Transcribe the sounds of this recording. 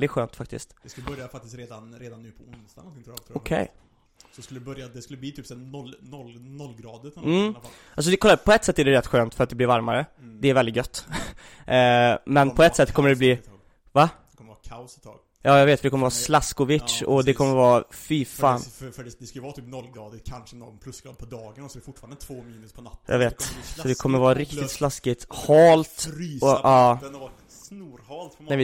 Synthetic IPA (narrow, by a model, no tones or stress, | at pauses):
d̪ɪt̪ɧøːnt̪fak̚t̪ɪ̰st̪ɛskɵlːəbœɾjafak̚t̪ɪst̪ɾeːd̪anɾeːd̪anːʉːpʰɔʊnst̪anɔɪŋɔkʰɛ̰j | sɔd̪ɛskɵlːəəbœɾjad̪ɛskɵlːəbliːt̪ʰyːpsɛnɔlːnɔlːnɔlːɡɾɑːd̪əɾʰam̩ː | alsɔd̪ɛkʰɔlːapʰɔɛt̪ːsɛt̪ːæɖɛɾɛt̪ːɧøːnt̪fœɾat̪̚d̪ɛblɪɾvaɾmaɾəd̪ɛæɾvɛlɪt̪̚ɡœt̪ː | mɛnpʰɔɛt̪ːsɛt̪ːkʰɔmːəɖ̪ɛbliː | va | kʰɔmkʰast̪ʰɑ̰ːɡ | jɑːjɑɡveːt̪fɾd̪ɛkɔməɾəvɑːslaskʊvɪt̪ʂɔd̪ɛkʰɔmːəɾvɑːfifaːnfd̪ɛskajəvɑːt̪ʰiːpnɔlːɡɾɑːd̪ɪkʰanʂənɔmpʰlɵskɾɑ̰ːd̪pʰɔd̪ɑːɡənɔsɔɛfʊʈfɑɾanət̪ʰvoːmiːnspʰɔnjɑ̰ɡveːt̪sɔd̪ɪkʰɔmːəɾvɑːɾɪkt̪ɪt̪slaskɪt̪hɑːlt̪ːɔʔɑː | nːh̪ɛvɪ